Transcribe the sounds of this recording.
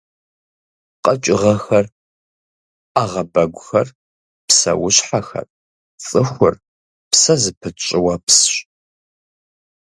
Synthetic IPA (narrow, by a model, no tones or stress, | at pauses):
qʼɐt͡ʃʼɪʁɐxɐr | aʁɐbɐɡʷʊxɐr | psɐ̰wʊɕħaxɐ̰r | t͡sʼɨxʷʊr | psɐzɨpʰɨt͡ʃʼɪwɐpsɕ